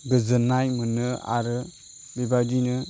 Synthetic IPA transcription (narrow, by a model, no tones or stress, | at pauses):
ɡɯzɯnajmɯnɯa̰ɾɯ | bibadinɯ